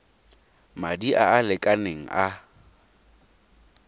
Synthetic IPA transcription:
madiʔaːlɪkʼaneŋ̩ʔa

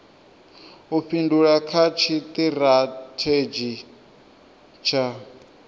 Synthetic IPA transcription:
uɸʰinduɺakʰat͡ʃʰit̪iɾatʰed͡ʒi | t͡ʃʰa

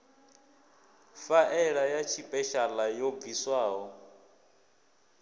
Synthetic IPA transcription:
faʔɛɺajat͡ʃʰipʼɛʃalajob̪viswaːɦɔ

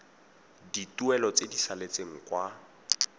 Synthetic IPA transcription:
dituɛlɔt͡sedisalet͡seŋ̩kwa

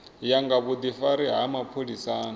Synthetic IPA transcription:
jaŋɡaβud̪ifaɾiɦamapʰolisaːn

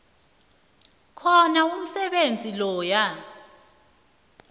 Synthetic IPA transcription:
kʰɔnaum̩sɛɓend͡zʱilɔːja

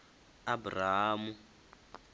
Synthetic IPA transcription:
aburaɦamu

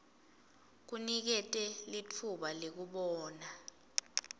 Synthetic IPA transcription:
k̬unik̬ɛtʼɛlit͡fʰuɓalek̬uɓɔːna

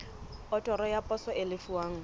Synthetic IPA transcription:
ɔtʼɔɾɔjapʼɔsɔɪlɪfuwaːŋ̩

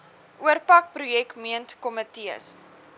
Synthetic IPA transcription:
ʔuərpɐk̚prujɛkmiəntkɔmətiə̰s

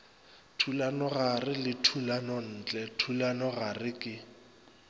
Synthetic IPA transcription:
tʰulanɔɣarɪlɪtʰulanɔn̩ːt͡ɬʼɛtʰulanɔɣarɪkʼɪ

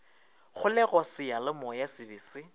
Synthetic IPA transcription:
χʊlɛɣɔsɪjalɪmɔjasɪbɪːsɪ

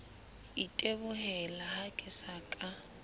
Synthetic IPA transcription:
itʼebʊhɛlahakʼɪsaːkʼa

